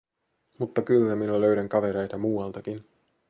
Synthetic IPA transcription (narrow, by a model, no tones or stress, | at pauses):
mut̪ːɑkylːæminæløɥɾæŋkɑʋe̞ɾejt̪ɑmuːɑlt̪ɑkin